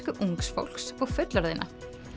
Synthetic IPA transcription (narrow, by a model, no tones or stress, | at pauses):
kʏʔuŋksfo̰wl̥ksɔɣfʏt̪laɾðḛjnʔa̰